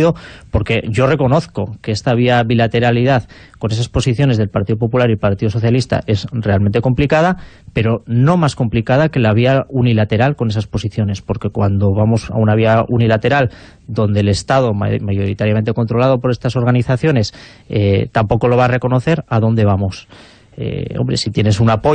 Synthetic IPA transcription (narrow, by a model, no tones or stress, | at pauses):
ðopo̞ɾke̞ʝo̞re̞ko̞no̞θko̞keest̪aβ̞iaβilat̪e̞ɾaliðaθko̞ne̞s̬aspo̞siθjo̞ne̞zðe̞lpaɾt̪iðo̞p̬o̞pulaɾilpaɾt̪iðo̞so̞θjalist̪a̰ʔe̞sre̞almẽ̞nt̪eko̞mplikað̞ape̞ɾo̞no̞masko̞mplikað̞ake̞laβ̞iaunilat̪e̞ɾalko̞ne̞saspo̞siθjo̞ne̞spo̞ɾke̞kwand̪o̞βamo̞sa̰unaβiaunilat̪e̞ɾal | d̪o̞nd̪e̞le̞st̪aðo̞mmaʝo̞ɾit̪aɾjament̪e̞kont̪ɾo̞lað̞o̞po̞ɾe̞st̪aso̞ɾɣaniθaθjo̞ne̞s | ḛt̪ampo̞ko̞lo̞βare̞ko̞no̞θe̞ɾaðo̞nd̪e̞β̞amo̞s | ḛo̰mbɾe̞sit̪je̞ne̞sunapo